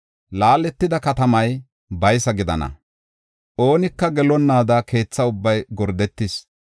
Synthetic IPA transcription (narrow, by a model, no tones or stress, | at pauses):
laːlːɛt̪ːɪd̪ɐkɐt̪ɐmɐj | bɐjsɐɡɪd̪ɐ̰nɐ̰ | ʔo̞ːnɪkːɐɡɛlɔnːaːd̪ɐke̞ːt͡sːɐʊbːɐjɡɔɾd̪ɛt̪ːɪs